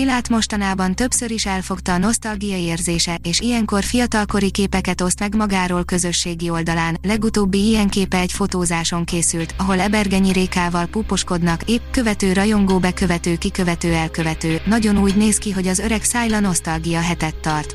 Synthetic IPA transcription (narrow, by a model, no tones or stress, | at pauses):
ilaːt̪mo̞ʃt̪ɒnaːbɒnt̪ø̞bsø̞ɾiʃɛlfo̞kt̪ɒːno̞st̪ɒlɡijɒeːrzeːʃɛʔeːʃijɛŋko̞rfijɒt̪ɒlko̞ɾikeːpɛkɛt̪o̞st̪mɛɡmɒɡaːɾoːlkø̞zø̞ʃːeːɡio̞ld̪ɒlaːnlɛɡut̪oːbːiijɛŋkeːpɛːcfo̞t̪oːzaːʃo̞ŋkeːsylt̪ɒɦo̞lɛbɛrɡɛɲiɾeːkaːvɒlpupo̞ʃko̞d̪nɒkeːpkø̞vɛt̪øːɾɒjo̞ŋɡoːbɛkø̞vɛt̪øːkikø̞vɛt̪øːɛlkø̞vɛt̪øːnɒɟo̞nuːɟneːskiɦo̞ɟɒzø̞ɾɛksaːjlɒno̞st̪ɒlɡijɒɦɛt̪ɛt̪ːɒrt̪